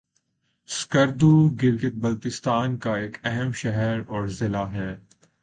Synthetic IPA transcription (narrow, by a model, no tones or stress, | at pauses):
skəɾd̪uːɡɪɾɡɪt̪̚bɐlt̪ɪst̪aːnkaeːkɛɦɛmʃɛɦɛɾɔːɾzɪlaːɦɛː